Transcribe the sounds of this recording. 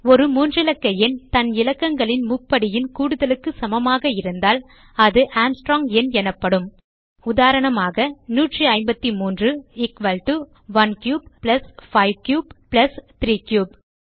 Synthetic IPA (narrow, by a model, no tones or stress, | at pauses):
ɔɾɯmuːndrɪlɐkːɐjɪnt̪ɐnɪlɐkːɐŋɡɐɭɪnmʊpːɐɽɪjɪnkuːɽɯðɐlɯkːɯsɐmɐmaːɣɐɪɾɯnd̪aːl | ɐðɯʔaːmsʈɾoːŋɡɛnɛnɐpːɐɽɯm | ʊðaːɾɐɳɐmaːɣɐnuːʈriɐɪmbɐt̪ːimuːndrɯɪkʋɐlʈu | ʋɐnkjuːbplɐsfɐɪʋkjuːbplɐst̪ɾiːkjuːb̚